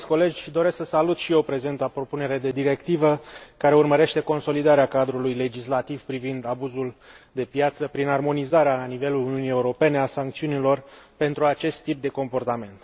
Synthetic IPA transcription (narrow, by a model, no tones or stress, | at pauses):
sʲko̞le̞d͡ʒʲd̪o̞ɾe̞sksəsalut̪ʃijeopɾe̞ze̞nt̪apɾo̞pune̞ɾed̪e̞d̪iɾe̞kt̪ivəkaɾe̞urməɾe̞ʃt̪e̞ko̞nso̞lid̪aɾeakad̪ɾulujle̞d͡ʒislat̪ivpɾivind̪abuzuld̪e̞pjat̪səpɾinarmo̞nizaɾealanive̞luluniunije̞uɾo̞pe̞ne̞asaŋkt̪siunilo̞rpe̞nt̪ɾuat͡ʃe̞st̪ːip̚d̪e̞ko̞mpo̞rt̪ame̞nt̪